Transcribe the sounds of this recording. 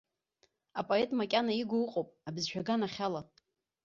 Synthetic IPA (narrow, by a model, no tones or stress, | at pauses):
apʼoe̞tʼmakʲʼanaiɡʷoɨqʼowpʼabzʃᶣaɡanaχʲala